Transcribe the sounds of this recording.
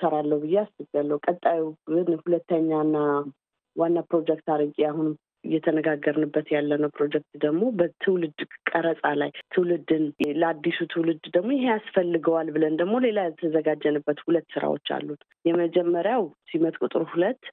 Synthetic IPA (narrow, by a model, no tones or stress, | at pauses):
səɾalːəwbɨjːeast̪ɨɡalːəwukʼət̪ʼːajiɡɨnhulət̪ːəɲːanːa | wanːapɾo̞d͡ʒɛk̚t̪aɾəkʼiahun | ɨjːɛt̪ʰənəɡaɡːəɾnɨbːət̪jalːənəwpʰɾo̞d͡ʒɛk̚t̪d̪əɡmo̞bət̪ʰɨwlɨd̪kʼəɾəsʼalajt̪ʰɨwlɨd̪ɨnləad̪ːisut̪ʰɨwlɨd̪d̪əɡmo̞jɪɦeasfəlːɨɡəwalbɨlənd̪əɡmo̞le̞lajɛt̪ʰəzəɡad͡ʒːənɨbːət̪hulət̪ːsɨɾa̰wo̞̰t͡ʃːa̰lːut̪ | jɛməd͡ʒɛmːəɾjawsimət̪ʼkʼut̪ʼɨɾhulət̪ː